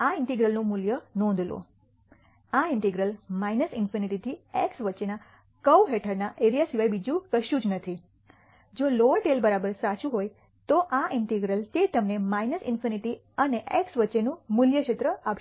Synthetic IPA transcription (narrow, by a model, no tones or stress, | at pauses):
aɪɳʈiɡɾəlnũmuljənɔ̃nd̪ʱlo̰ | aɪɳʈiɡɾəlmajnəsɪnfiniʈit̪ʰieksʋətːʃena | kəwɦeʈʰəɾnaʔeɾijasiʋajbid͡ʒũkəʃjũd͡ʒnət̪ʰi | d͡ʒoloʋəʈelbəɾabəɾsat͡ʃũɦoj | t̪oʔaɪɳʈiɡɾəlt̪et̪əmnemajnəsɪnfiniʈi | əneʔeksʋətːʃenũmʊljəkʃet̪ɾəapʃ